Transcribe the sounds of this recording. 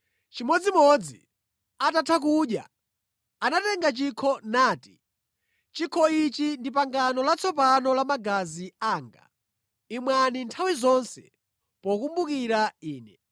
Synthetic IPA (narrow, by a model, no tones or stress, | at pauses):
t͡ʃimɔd͡zimɔd͡zḭ | atatʰak̬uɗja̰ | anatɛŋɡat͡ʃikʰɔnaːti̥ | t͡ʃikʰɔit͡ʃindip̬aŋɡanɔlat͡sʰɔpanɔlamaɡaziaːŋɡa̰ | imwanintʰawizɔnsɛ̰ | pɔkumbukiɾaiːnɛ